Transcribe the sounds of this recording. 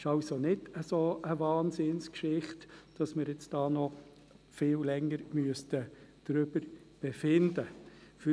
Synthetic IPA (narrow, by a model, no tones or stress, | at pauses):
ɪʃɑlsonɪd̥əsoːʔəvɑːnsɪnskʃɪχtd̥ɑsmɪːɾɪt͡sd̥ɑːnɔ | fɪːllɛŋːəɾmyəstəd̥ɾʏbəɾ | b̥ɛfɪndəfy